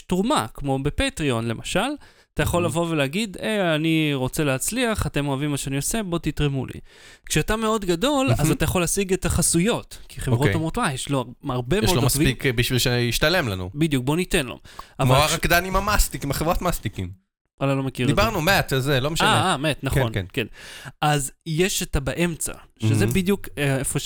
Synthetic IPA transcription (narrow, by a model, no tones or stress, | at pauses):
tʁumakmo̞be̞petʁio̞nle̞maʃal | at̪ajaχo̞lːavo̞ve̞leaɡidejaniʁo̞t͡se̞lehat͡sliaχate̞moavimːaʃeanio̞se̞bo̞t̪itʁemṵlʔḭkʃeatame̞o̞d̪ɡado̞lazatajaχo̞lːasiɡetaχasujo̞tkʰiχevʁoomʁo̞twajeʃloaʁbemjɛeolodmasvikbiʃvilʃeiʃtale̞mlanṵbidjuk̚bo̞nitenlo̰avmaolaʁakd̪animamast̪ikimaχevʁotmast̪ikim | ʔalalo̞mekiʁdibaʁnumeat̪zelomeʃaaamet̪naχonknkenʔazjeʃetabaʔe̞mt͡sa̰ʃezebidjukeefoʃ